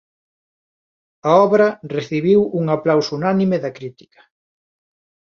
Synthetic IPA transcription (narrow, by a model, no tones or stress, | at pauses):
ɐɔβɾɐreθiβiwuŋaplawsunanimeðɐkɾit̪i̥kɐ̥